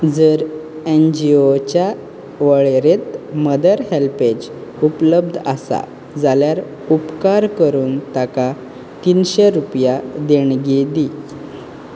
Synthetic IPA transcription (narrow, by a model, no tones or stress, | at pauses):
d͡zəɾend͡ʑiot͡ɕja | ʋəɭeɾet̪məd̪əɾɦelped͡ʑupləb̚d̪ʱa̰sa̰ | d͡zaljaɾ | upkaɾkəɾuːnt̪aka | t̪inɕeɾupjad̪eɳɡed̪i